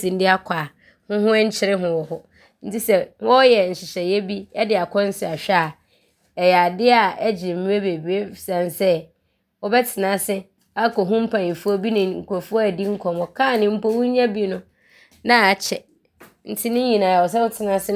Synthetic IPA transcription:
sĩ˨n̩˦dɪ˦a˦kʷʰa˨ | hʊ̃˦ɦʊ̃˦ɛ˦ɲ̩˦t͡ɕʰɪ˦ɾɪ˦ɦʊ̃˨wɔ˨hɔ˦ | n̩˦tʰi˦sɛ˦wɔ˦jɛ˨n̩˨ɕɪ˨ɕɛ˨jɛ˦bi˦ɛ˦dɪ˨a˨kʰɔ̃˦n̩˦sɪ˨a˨ɕᶣɛ˦˨ | ɛ˨ja˨dɪ˦a˨ɛ˦d͡ʑɪ˨m̩˨mĩ˦e˦be˨bi˨e˦˨sã˨nsɛ˦ | wɔ˦bɛ˦tʰɪ˨nã˦sɪ˦ | a˦kɔ˨ɦũ˦m̩˦pʰã˨nĩ˨fu˦ɔ˦bi˦nɪ̃˨ŋ̩˨ko˨fu˦ɔ˦æ˨di˦ŋ̩˦kʰɔ̃˨mɔ˨kʰã˦˨nɪ̃˦m̩˦po˦wũ˦ɲã˦bi˦nʊ̃˦ | nã˦a˨t͡ɕʰɛ˨ | n̩˨tʰɪ˦nɪ̃˦ɲĩ˨nãː˨a˨wɔ˨s̬ɛ˦wʊ˦tʰɪ˨nã˦sɪ˦

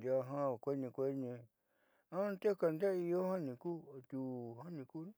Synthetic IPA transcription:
d̪ja˧ɦã˦˨kʷe˦nĩ˧kʷe˧˦nĩ˧ | ã˦t̪e˦ka˧nd̪a˦i˧jo˦hã˦nĩ˧˨ku˦˨t̪u˧˨hã˦nĩ˧kuː˦n˦

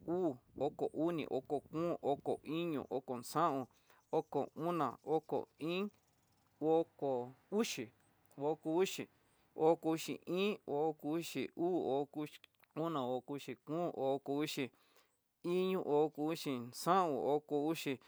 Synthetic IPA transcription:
uː˦˨o˦ko˨ʔu˦nḭ̃˨ʔo̰˦ko˨kũː˦ʔo˦ko˨ʔi˦ɲṵ̃˨ʔo˦ko˨nsã˦ʔũ˧˨ | o˦ko˨ũ˦nã̰˨o˦ko̰˨ĩ˦ | o˦ko˨u˦ʃi˨ | o˧˦ku˧u˦ʃi˨ | o˦ko˧u˧ʃḭ˨ʔĩː˦o˧˦ku˧u˦ʃḭ˨uː˦o˦ku˦ | ũ˦nã˨o˧ku˧u˧ʃi˧kũː˦o˨˦˧ko˧u˦ʃi˧ | i˦ɲũ˧ʔo˦˧ku˧u˦ʃi˧nsã˦ũ˧˨o˦ko˧u˦ʃi˧

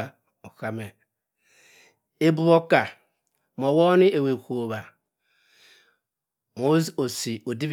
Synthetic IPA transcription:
o˨ka˨me˨ | e˦bu˦βo˦ka˨ | m˨ɔ˨wɔ˦ni˦e˨we˨kʷo˨βa˨ | mo˦o˨si˨o˨di˦b

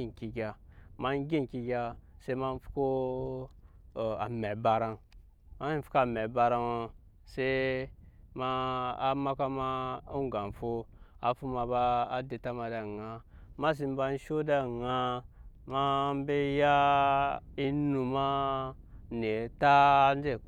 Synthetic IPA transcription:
i˦˨n˨ki˨ɡʲa˨ma˦n˦ɡʲi˦nki˨ɡʲa˨se˦ma˦n˦fu̥˦ko˦˨ | a̰˨me˨ba˨ɾa˦n | ma˦i˦fu̥˦ka˦˨me˨ba˨ɾa˦no˨ | se˦ | ma˦a˨ma˦ka˦ma˦u˦ɡa˨n˨fo˦a̰˨fu˦ma˨baː˦de˨ta˦ma˨da˨ŋa˦ma˦s̬i˦m˦ba˦n˦ʃo˦da˦˨ŋa˦ma˦m˦be˦ja˦ | i˦nu˨ma˦ | ne˨˦ta˦n˦d͡ʒe˦˨

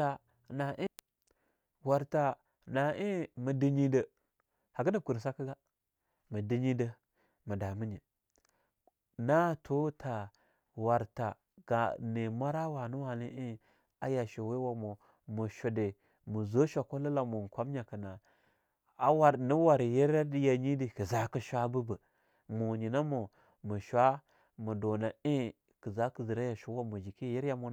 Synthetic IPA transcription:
a˨ | na˨ʔi˦ | wa˨ɾta˨ | na˨ʔi˦mə˨di˨ɲi˦də˨ | ha˨ɡə˦də˦ku˨ɾs̬a˦kə˦ɡa˦ | mə˨di˦ɲi˦də˦ | mə˨da˨mə˦ɲi˨ | na˦tʰo˦tʰa˨ | wa˨ɾta̰˨ | ɡ̥a˨ne˨ma˦ɾa˦wa˨nə˦wa˨li˦ʔi˦ | a˦ja˨ʃo˨we˦wa˦˨mo˨ | mu˨ʃo˨de˨ | mu˨zo˦ʃʷa˨ko˦lə˦la˨mo˨kʷa˦m˦ɲa˨kə˨na˨ | a˦wa˨ɾni˦wa˨ɾje˦ɾa˦di˦ja˨ɲi˦di˨kə˨za˦ki˦ʃʷa˦bu˦bə˨ | mu˨ɲi˨na˦mo˨ | mu˨ʃʷa˦ | mu˨do˨na˨e˦ | kə˨za˦kə˨zi˨ɾa˦ja˨ʃo˦wa˦mu˨d͡ʒi˨ki˦ji˦ɾja˦mo˦

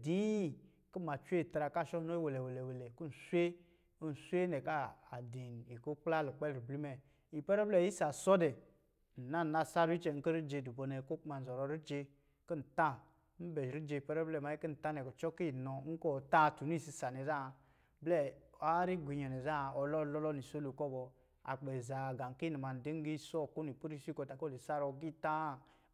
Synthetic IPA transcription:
di˦˨ | ki˦ma˨t͡ʃʷe˦˨ta˨ɾa˨ka˦˨ʃɔ˦no˦i˦we˨le˨we˨le˨we˨le˨ku˦n̩˨su˦e˦ | n̩˨sʷe˦nɛ˨ka˦a˨di˨n˨i˨ko˦k͡pla˦lu˨k͡pɛ˦lɾi˨bli˦mɛ˨ | i˨pɛ˦ɾɛ˦blɛ˦˨ji˦sa˨sɔ˦dɛ˨ | n̩˨na˦˨na˦˨sa˦ɾi˦t͡ʃe˨ŋ̩˦ko˦ɾi˦d͡ʒe˧du˨bo˨nɛ˨˦ko˦k͡pma˨n̩˨zɔ˨ɾɔ˨ɾi˦d͡ʒe˧ | ki˦n̩˨ta˦ | m̩˦bɛ˨ɾi˦d͡ʒe˧i˨pɛ˦ɾɛ˦blɛ˦˨ma˨˦i˦kə˦n̩˨ta˦nɛ˨kɔ˨t͡ʃɔ˦ki˦˨nɔ˨˦ŋ̩˦kɔ˦˨ta˦˨tu˨n˦i˦˨si˦sa˨nɛ˨za˦˨ | blɛ˦˨a˦ɾi˦ɡʷi˨ɲɔ˨nɛ˨za˦˨ɔ˨lɔ˦˨lɔ˦lɔ˦ni˨so˦lu˨kɔ˦bɔ˨ | a̰˨k͡pɛ˨za˨ɡa˨ŋ˨ki˦ni˨ma˨n̩˨di˦ŋ˦ɡi˦˨sɔ˦˨ku˦n˨i˨pu˦ɾi˦si˦ko˨ta˨ko˦le˨sa˦ɾɔ˨ɡi˦ta˦˨

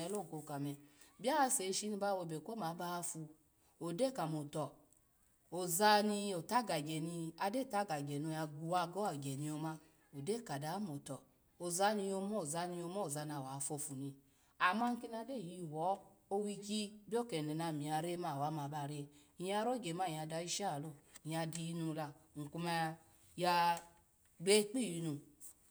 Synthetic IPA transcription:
ɛ˧˦lo˦˨ko˧˨ka˨mɛ˧bi˦a˦a˧se˨˦ʃi˦ni˧ba˧o˧˨be˨ko˦ma˨˦ba˦˧fu˧ | o˨de˦˨ka˨mo˨tɔ˨ | o˨za˧ni˧o˨ta˦ɡa˨ɡɛ˨ni˧a˧de˦˨ta˦ɡa˨ɡɛ˨no˧ja˧ɡu˧wa˧ɡɔ˦a˨ɡɛ˨ni˨˧o˧ma˦˧ | o˨de˦˨ka˨da˨˦mo˨tɔ˨ | o˨za˧ni˧jo˧mɔ˦˨za˧ni˧o˧mɔ˦o˨za˧na˨wa˨fo˧˨fu˨ni˧ | a˨ma˧ŋ̩˦ki˧na˧de˦˨ji˧˨wɔ˨˦o˧wi˧ki˦bi˦ɔ˦˨ke˨ne˨na˧˨mĩ˨a˧ɾe˦ma˧˨wa˨˦ma˧˨ba˧˨ɾe˧i˨ja˧˦ɾo˦˨ɡe˨ma˦˨a˧˨da˧i˦ʃa˦˨lo˦˨˧a˧di˧i˧nu˧la˧˨ŋ̩˨ku˧ma˧ | ja˧ | ɡ͡be˦k͡pi˦˨ji˧nu˧

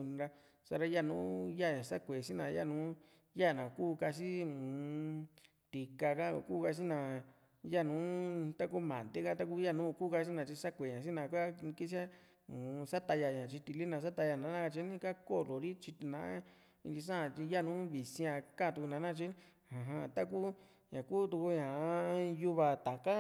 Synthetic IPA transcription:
nĩ˧ɾa˧ | sa˧ɾa˧ja˦˨nũː˨˦ja˦˨ɲã˨sa˦kʷe˨si˦nã˨ja̰˦˨nũː˨˦ | ja˦˨nã˨kuː˦˨˧ka˧s̬i˦˨ | t̪i˨ka˧ka̰˦˨ku˦˧ka˧s̬i˦nã˨ | ja˦˨nũː˨˦t̪a˦ku˦mã̰˨nd̪e˦ka˧t̪a˦k̬u˦ja˦˨nũː˦˧kuː˦ka˧s̬i˦nã˧t͡ʃi˧sa˦kʷe˨ɲã˨s̬i˦nã˨˧˨kʷa˦˧ki˦s̬i˦a˦ | ũ˨˧sa˦t̪a˧ja˧ɲã˨t͡ʃi˧t̪i˧li˦nã˨˧˨s̬a˦t̪a˧ja˧˨nã˨˦nã˦˧ka˧t͡ʃi˧˦nĩ˦ka˦ko˦lo˨ɾi˦t͡ʃi˧t̪i˧nã̰˨˦ | i˧nd̪i˧s̬ã˦ã˧˨t͡ʃi˧ja˦˨nũ˦βi˨sĩ˧ã˧kã˦˨˧t̪u˧ku˧nã˨˦nã˦˧t͡ʃi˦ | hã˨ɦã˧t̪a˦k̬u˦ | ɲã˨kuː˦t̪u˧ku˧ɲã˨˦ju˧βa˧t̪a˨ka˦

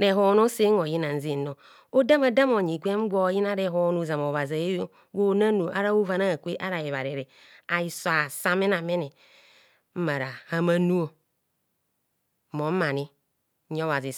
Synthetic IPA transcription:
ne˨ɦo˦n˦o˦se˦ŋo˨ji˦na˨n̩˦ze˦no˨ | o˦da˦ma˨da˦mo˨ɲi˨ɡʷe˦m̩˦ɡʷɔ˦ji˦na˦ɾe˦˨ɦo˦nu˨za˨mo˨βa˨za˨je˦ɡo˦na˦nu˨ʔa˦ɾa˦u˦va˨na˦a˨kʷe˦ʔa˦ɾa˨je˨βa˨ɾe˨ɾe˨ | a˨ji˦swa˨sa˦me˦na˨me˦ne˨ | m̩˦ma˨ɾa˨ha˦ma˦nu˦o˨ | mo˨˦ma˨ni˦ | o˦wa˨zi˨

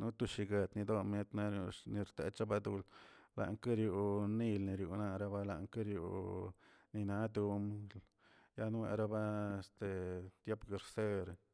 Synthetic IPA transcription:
nu˦t̪u˧ʃi˧ɡe˨t̪ni˧d̪o˦me˦t̪na˦ɾju˧ni˧ɾt̪ḛ˧˦t͡ʃa˦ba˧d̪u˧lla̰˨ŋka˦ɾju˧ni˧lni˧ɾjṵ˨na˧ɾa˧ba˦la̰˧ʔŋka˦ɾjṵ˨ | ni˧na˦d̪u˧m | ja˦n˦wḛ˧˨ɾa˦ba˦e˧st̪e˨t̪je˦pɡe˨ɾse˦ɾ

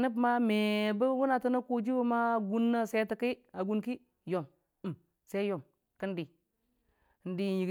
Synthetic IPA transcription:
nə˦p̬ma˦me˨bə˦wu˦na˨tə˦na˦ku˦d͡ʒi˦wu˦ma˦˨ɡu˦nːa˦se˦tə˨˦ki˦a˨ɡu˦nki˦ | jo˨m˨ | se˦jo˨m | kə˦ndi˨ | n˦di˨ji˨ɡ

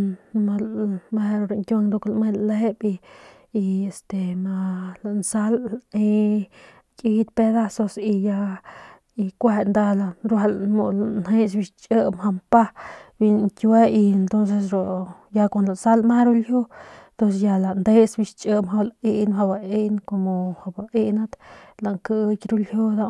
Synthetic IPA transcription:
ma˧lma˧ɾo˧ɾo˧˨ŋkʲjo˧ŋd̪o˧klme˦˧lle˦piː˧ | e˨st̪e˨ma˧la˨nsa˦le˧ | kʼi˧t̪pe˧d̪a˦so˧si˧ja˧ | i˧kʷe˧nd̪a˧la˧ɾwa˧lmo˧lnhe˦s̬bi˧ʃt͡ʃʼə˦mha˧mpa˦bi˧nŋkʲwe˦i˧ent̪o˦nse˧sɾo˨ | ja˧kʷa˧˨nla˨nsa˦lma˦ɾu˦ljo˦t̪o˦s̬e˧ja˧la˨nd̪e˦sbi˧ʃt͡ʃʼə˦mha˧lai˦nɦa˧ba˧e˦nko˧mo˨ha˧ba˧ʔi˦na˦t̪la˨ŋkə˧˦kɾu˦lhjo˦d̪a˧

